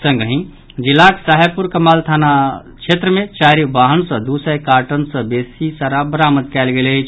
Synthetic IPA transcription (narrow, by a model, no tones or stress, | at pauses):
sə̃ŋɡɦĩ | d͡ʒilːaksaɦjpuɾkəmalt̪ʰana | t͡ʃʰet̪ɾəmet͡ʃaɾibaɦənsə̃d̪usəjkaʈənsə̃besisaɾabəɾamət̪kɛlɡelet͡ʃʰ